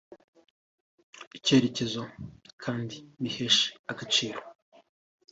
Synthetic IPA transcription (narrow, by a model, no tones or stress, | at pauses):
ice̞ːɾece̞zokʰaːndiβihe̞ʃe̥aɡat͡ʃiːɾo